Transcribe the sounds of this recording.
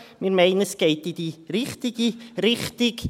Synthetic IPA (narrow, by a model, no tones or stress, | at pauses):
mɪɾmejnəsɡ̥ejdidiɾɪχtɪɡirɪχtɪɡ̥